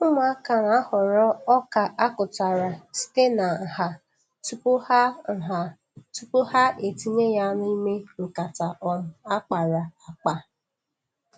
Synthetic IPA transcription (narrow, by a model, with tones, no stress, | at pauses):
ʊ˦m˦a˦ka˨na˨a˦hɔ˨ɾɔ˦ɔ˦ka˨ʔa˦kʊ˨ta˨ɾa˨si̥˦te˦na˨ha˨ | tu˦pʊ˦ha˦˨ɦa˨ | tu˦pʊ˦ha˦ʔe˨ti˦ɲe˦ja˦n˦i˦me˦ŋ̩˨ka˨ta˨ʔɔ˨ɾʊ˨a˦k͡pa˨ɾa˨a˨k͡pa˨